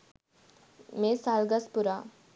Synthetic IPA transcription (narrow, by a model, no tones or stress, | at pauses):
mesalɡaspuɾa